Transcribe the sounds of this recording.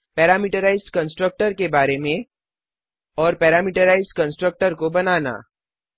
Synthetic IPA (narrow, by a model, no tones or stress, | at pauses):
pɛːɾaːmiːʈəɾaːɪzɖkə̃nsʈɾək̚ʈəɾkebaːɾemẽ | ɔːɾpɛːɾaːmiːʈəɾaːɪzɖkɐ̃nsʈɾək̚ʈəɾkobɐnaːna̰ː